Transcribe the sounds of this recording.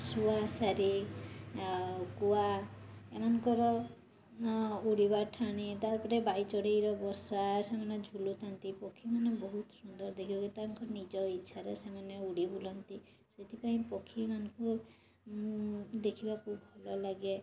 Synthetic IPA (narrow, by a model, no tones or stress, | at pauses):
suasaɾi | kuaemanɔŋkɔɾɔ | uɽibaʈʰaɽ̃it̪aɾpɔɾebajt͡ʃɔɽejɾɔbɔsasemaned͡ʒʱulut̪ʰant̪ipɔkʰimanɔbɔɦut̪sund̪ɔɾd̪ekʰibakut̪aŋkɔɾnid͡ʒɔitːʃʰaɾesemaneuɽibulɔnt̪i | set̪ʰipaĩpɔkʰimanɔku | d̪ekʰibakubʱɔlɔlaɡe